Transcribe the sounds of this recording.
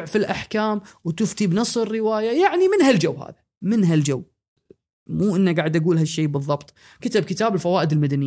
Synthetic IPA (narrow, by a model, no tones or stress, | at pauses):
ʕfilʔaħkaːmwt̪ʊft̪ibnɨsˤɨɾːɪwaːjajaʕnimɪnɦald͡ʒawːha̰ːða | mɪnɦald͡ʒawː | muːʔɪnːaɡaːʕɪd̪ʔaɡuːlɦaʃːeːbɨðˤːɑbt̪ˤ | kat̪ab̚kɪt̪aːbɪlfawaːʔɪd̪ɪlmad̪anɪ